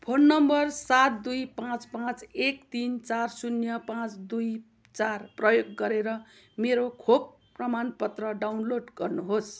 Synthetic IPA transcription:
pʰonːʌmbʌrsat̪̚d̪ujpãt͡spãt͡sekt̪int͡sarsunjʌpãt͡sd̪uj | t͡sarprʌjoɡːʌɾeɾʌmeɾokʰok̚ | prʌmanpʌt̪rʌɖawnloɖɡʌrnuɦos

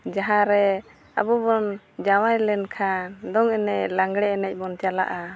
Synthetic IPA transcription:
d͡ʒaɦãɾɛ | a̰bɔbɔn | d͡ʒawajlɛnkʰand̪ɔŋɛnɛclaŋɡɽɛɛnɛc̚bɔnt͡ʃala̰ʔa

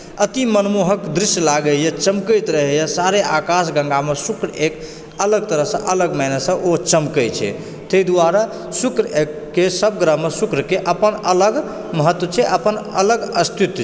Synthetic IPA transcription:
ət̪imənmoɦəkd̪ɾisjlaɡəljet͡ʃəmkəjt̪ɾəɦɛjasaɾeʔakasɡə̃ŋɡamesukɾek | ələɡt̪əɾəɦsə̰̃ʔələɡmɛnesə̃ʔot͡ʃəmkəjt͡ʃʰɛ̰ | t̪əid̪aɾa | sukɾəekːesəb̚ɡɾəɦmːesukɾəkeʔəpənələɡ | məɦət̪wət͡ʃʰɛʔəpənələɡəst̪ʰit̪

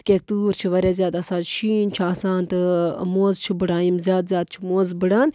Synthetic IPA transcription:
t̪ket̪uːɾt͡ʃʰiʋɐɾaːzjaːd̪ɐsãːd͡ʒʃʰiːnt͡ʃʰiaːsãːnt̪ɨmoːzt͡ʃʰibɨɽaːimzʲjaːd̪zʲjaːd̪̚t͡ʃʰimoːzbɨɽaːn

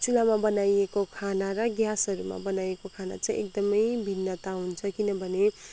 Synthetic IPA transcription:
t͡sulamabʌnajekokʰanaɾʌɡjasʌɾuma̰bʌnajekokʰana̰t͡saĩʔek̚d̪ʌmʌjbʱinːʌt̪aɦunt͡sʰʌkinʌbʱʌne

